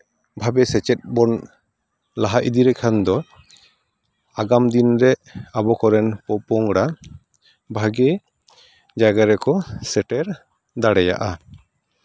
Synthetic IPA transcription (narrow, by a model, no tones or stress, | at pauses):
bʱabɛsɛt͡ʃɛt̪̚bɔn | laɦaʔid̪iɾɛkʰand̪ɔ | aɡamd̪inɾɛʔabɔkɔɾɛnpɔpɔŋɽa | bʱaɡɛ | d͡ʒaɡaɾɛkɔsɛʈɛɾ | d̪aɽɛja̰ʔa